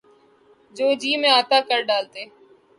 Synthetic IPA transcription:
d͡ʒoːd͡ʒiːmẽaːt̪aːkəɾɖaːlt̪eː

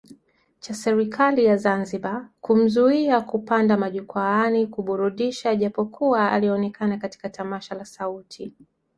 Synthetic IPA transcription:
t͡ʃasɛɾikʰalijazanziɓakum̩zuiakupandamaʄukwaanikuɓuɾuɗiʃaʄapɔkʰuaa̰liɛɔnɛkʰanakati̥katamaʃalasautʰi

